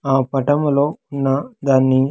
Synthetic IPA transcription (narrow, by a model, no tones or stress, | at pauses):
aːpɐʈɐmlo̞ːunːɐd̪aːnːi